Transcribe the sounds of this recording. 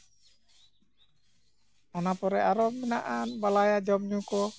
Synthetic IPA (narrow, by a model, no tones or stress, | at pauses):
anapɔɾɛaɾɔminaʔanbalajad͡ʒɔmɲukɔ